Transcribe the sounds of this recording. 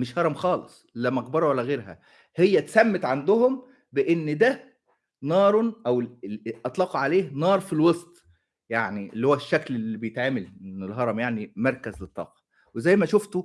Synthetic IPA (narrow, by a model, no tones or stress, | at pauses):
meʃhɑɾˤɑmxɑːlesˤlːæmɑɣbɑɾˤwalːæɣeːɾɦæ̰ | hejːæt̪sæmːet̪ʕand̪ohom | beʔenːd̪æ | nɑːɾˤʔæwʔɑt̪ˤlɑːquʕaleːhnɑːɾˤfilwɑsˤt̪ˤ | jaʕniʔelːiːhowæʃːæklelːibejet̪ʕaːmælenːelɦɑɾˤɑmjaʕnimɑɾˤkæzlet̪ˤːɑ̰ːqɑ̥ | wezæjːmæʃoft̪o